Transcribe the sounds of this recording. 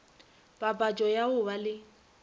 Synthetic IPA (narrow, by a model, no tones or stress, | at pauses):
b̥ʼabʼat͡ʃʼɔjaʊbalɪ